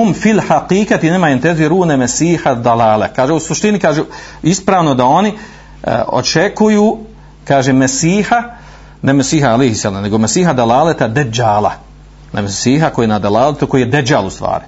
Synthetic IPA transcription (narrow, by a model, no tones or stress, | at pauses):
umfilhaqiːkat̪inemaent̪ezieɾuːnemesiːhad̪alaːlekaːʒeusuʃt̪inikaːʒe | ispɾaːʋno̞d̪ao̞nḭ | o̞̰t͡ʃekujuː | kaːʒemesiːha | nemesiːɦaalehisːala̰ːmne̞ɡomesiːɦad̪alaːlet̪ad̪ed͡ʒaːla̰ | na̰mesiːɦakojːenad̪alaːlet̪uko̞jiːjed̪ed͡ʑaːlṵst̪ʋa̰ːɾɪ